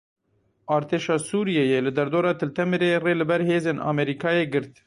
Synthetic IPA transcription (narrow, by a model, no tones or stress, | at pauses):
ʔɑːɾt̪ʰeːʃɑːsuːɾijejeːlɨd̪ɛɾd̪oːɾɑːt̪ʰɨlt̪ʰɛmɨɾeːreːlɨbɛɾɦeːzeːnʔɑ̰ːmɛɾiːkʰɑːjeːɡɨɾt̪